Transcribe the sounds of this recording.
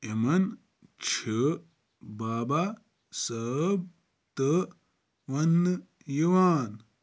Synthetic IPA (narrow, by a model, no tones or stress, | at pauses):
emɐn | t͡ʃʰi | baːba | sɐːb̚ | t̪ə | ʋɐnːɨ | juʋaːn